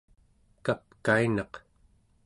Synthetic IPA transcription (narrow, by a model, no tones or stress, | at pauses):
kap̚kainɑq